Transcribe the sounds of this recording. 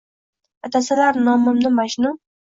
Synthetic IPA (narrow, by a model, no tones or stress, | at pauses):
at̪ʰasɪlaɾnɒmɪmnɪmaʃnʊm